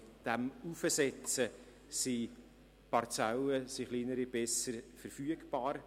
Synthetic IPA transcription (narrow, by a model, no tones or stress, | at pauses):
d̥æmufəsɛt͡sə | si | pʰɑrt͡sæləsiχliːnəɾib̥ɛsəɾfəɾfyəɡb̥ɑːɾ